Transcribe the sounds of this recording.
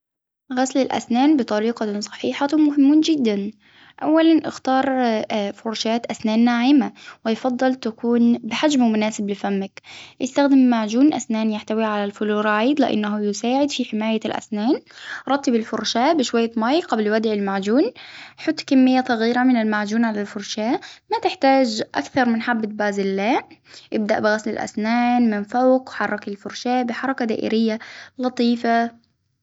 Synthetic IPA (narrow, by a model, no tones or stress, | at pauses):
ɣaslɪlʔa̰snaːnbɪt̪ˤɑɾiːqɑsˤɑ̥ħiːħamʊɦɪmːuːnd͡ʒɪd̪ːan | ʔawːalanʔɪ̰xt̪ɑːɾˤfʊɾˤʃaːt̪ʔasnaːnːaʕiːmawɪjfɑd̪ˤːɨlt̪akuːnbɪħad͡ʒmmʊnaːsɪblɪfamːakʔɪst̪axd̪ɪmːaʕd͡ʒuːnʔa̰snaːnjaħt̪awiʕalalfʊluːɾˤʕjd̪lɪʔa̰nːaɦʊjɪsaːʕɪd̪fiħɪmaːjalʔa̰snaːnɾˤɑt̪ːɪbɪlfʊɾˤʃaːbɪʃwajːamajqablwad̪ʕɪlmaʕd͡ʒuːnħʊt̪ːˤkamːɪjːasˤɑɣiːɾamɪnɪlmaʕd͡ʒuːnʕalalfʊɾˤʃaːmat̪ɪħt̪aːd͡ʒʔa̰kθɑɾˤmɪnħabːɪt̪baːzɪlːaːʔɪb̚d̪a̰ʔbɪɣaslɪlʔa̰snaːnmɪnfawqħɑrˤːɑkɪlfʊɾˤʃaːʔbɪħɑɾˤɑkad̪a̰ːʔɪ̰ɾɪjːalɑt̪ˤiːfa